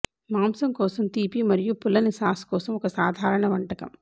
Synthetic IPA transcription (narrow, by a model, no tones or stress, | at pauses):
maːmsɐmkɔːsɐmt̪iːpimɐɾijupulːɐnisaːskɔːsɐmɔkɐsaːd̪ʱaːɾɐɳɐʋɐɳʈɐkɐ̰m